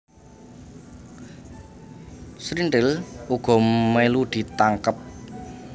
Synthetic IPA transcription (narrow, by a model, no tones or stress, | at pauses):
sɾinʈɪluɡ̥ɔ̤melud̪̥i̤t̪aŋkəp̚